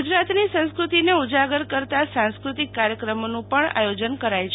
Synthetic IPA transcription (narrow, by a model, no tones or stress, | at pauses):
d͡ʒɾat̪nisə̃skɾut̪ineud͡ʒaɡəɾkəɾt̪asãnskɾut̪ikːaɾjəkɾəmonũpəɳa̰jod͡ʒənkəɾajt͡ʃʰ